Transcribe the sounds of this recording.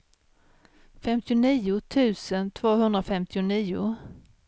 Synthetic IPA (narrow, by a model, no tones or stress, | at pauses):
fɛmt̪ɪʊniːʊt̪ʰʉ̟ːsənt̪ʰvoːɦɵnd̪ɾafɛmt̪ʰɪʊniːʊ̰